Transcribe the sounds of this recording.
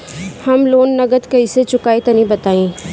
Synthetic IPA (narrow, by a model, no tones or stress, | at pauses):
hɐmloːnːɐɡət̪kɐiset͡ʃʊkaːit̪ɐnĩbɐt̪aːĩː